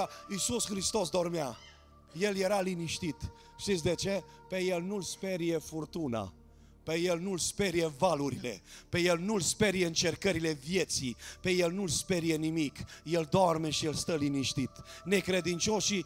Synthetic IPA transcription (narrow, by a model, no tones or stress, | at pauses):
isusxɾist̪o̞s̬d̪o̞rmea | je̞lje̞ɾaliniʃt̪it̪ | ʃt̪it̪s̬ʲd̪e̞t͡ʃe̞ | peje̞lnulspe̞ɾijefurt̪una̰ | peje̞lnulspeɾijevaluɾile̞̰pe̞je̞lnulspe̞ɾijeɨnt͡ʃe̞rkəɾile̞vje̞t̪sipe̞jelnulspe̞ɾijenimikje̞ld̪oarme̞ʃijelst̪əliniʃt̪it̪ne̞kɾe̞d̪int͡ʃo̞ʃi